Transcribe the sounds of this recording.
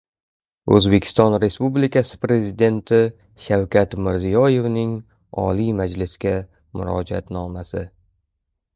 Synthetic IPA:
ɵ̰zbe̞kʲʰɪ̥st̪ɒnɾe̞spublikʲʰasɪ̥pɾe̞zid̪e̞nt̪ʰɪ | ʃawkʲʰat̪mɪɾzijɒje̞vnɪŋ | ɒ̰limad͡ʒlɪsɡʲa | mʊɾɒd͡ʒa̰t̪nɒmasɪ

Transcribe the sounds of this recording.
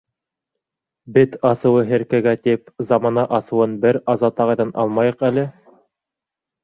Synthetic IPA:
bɘt̪ɑsɤ̆wɤɦɘ̆ɾkæɡæt̪ipzɑmɑnɑʔɑsɤ̆wɤnbɘɾɑzɑt̪ɑʁɤ̆jðɑnʔɑ̰lˠmɑjɤ̆qælɘ

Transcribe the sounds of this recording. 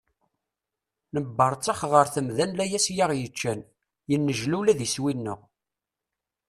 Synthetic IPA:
nəbːɑɾˤt͡sːɑχʁəɾθəmðænlæjæsjaʁjət͡ʃːæn | jənːəʒlulæðiswinːə̰ʁ

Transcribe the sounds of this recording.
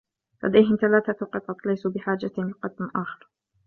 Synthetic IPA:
lʔa̰d̪ajɦɪmθalaːθatqɨt̪ˤɑt̪ˤlajsuːbɪħaːd͡ʒalqɑd̪nʔaːxɪɾˤ

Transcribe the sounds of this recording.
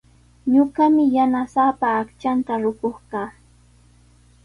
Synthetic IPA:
ɲʊɢamɪjanasapaːkt͡ʃant̪aɾʊkoχɢaː

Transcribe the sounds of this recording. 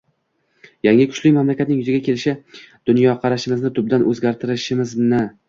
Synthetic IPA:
jaŋʲɪkʰʊ̥t͡ʃlɪmamlakʲat̪̚nɪŋjʊzɪɡʲakʲʰe̞lɪʃɪ | d̪̥ʊnjɒqʰɑɾaʃɪmɪznɪt̪ʰʊb̚d̪anʔɵzɡʲaɾt̪ʰɪɾɪʃɪmɪznɪ

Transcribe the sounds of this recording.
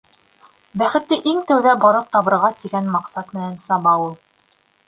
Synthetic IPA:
bæχɘ̆t̪ːɘʔiŋt̪æwðæbɑɾɤq̚t̪ɑβɤ̆ɾʁɑt̪iɡænmɑqsɑt̪mɘ̆nænsɑβɑulˠ

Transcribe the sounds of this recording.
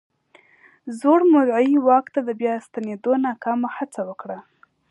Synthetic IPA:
zoɽmʊɾʕaiwɑkt̪ad̪əbjɑst̪aned̪onɑkɑmahat͡sawəkɽa

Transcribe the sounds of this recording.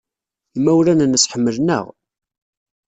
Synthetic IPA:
imːæwlænnəsħəmːəlnə̰ʁ

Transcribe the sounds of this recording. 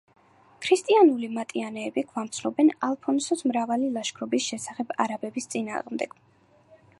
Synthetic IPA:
kʰɾist̪ʼianulimat̪ʼianɛːbiɡvamt̪sʰlɔbɛnalˠpʰɔnsɔd̪ʰmɾavalilˠaʃkʰɾɔbisʃɛsaχɛb̥a̰ɾabɛbist̪sʼina̰ːʁmd̪ɛɡ̥

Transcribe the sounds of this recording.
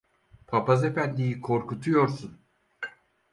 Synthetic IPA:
pʰapʰaze̞fænd̪ijikʰo̞ɾkut̪ʰujo̞ɾsun

